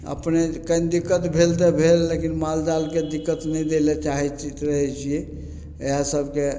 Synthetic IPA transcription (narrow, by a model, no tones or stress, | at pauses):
ə̰pnekənd̪ikːət̪bʱelt̪̬ebʱelːekinmald̪alked̪ikːət̪nəjd̪elet͡ʃaɦɛɾəɦɛt͡ʃʰije | eɦãsəbʱke